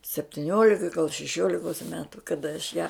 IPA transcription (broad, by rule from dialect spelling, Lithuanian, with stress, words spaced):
sʲɛpʲtʲɪˈnʲoːlʲɪkɐ ɡɐlˠ ʃʲɛˈʃʲoːlʲɪkoːs ˈmʲæːtʊ kɐˈdɐ ɐʃ jæː